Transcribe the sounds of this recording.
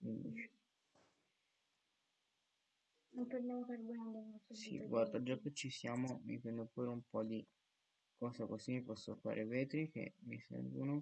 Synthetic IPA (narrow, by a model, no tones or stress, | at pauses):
kind̪it͡ʃe̥ | nompodjamofaɾɡɛd̪eɔsḭɡward̪ad͡ʒakːet͡ʃːisjaːmomḭpɛnd̪opuːɾeumpɔd̪i | kɔːsakosimipɔsːofa̰ːɾʔevɛːt̪ɾik̟ḛmːisɛ̰ɾvono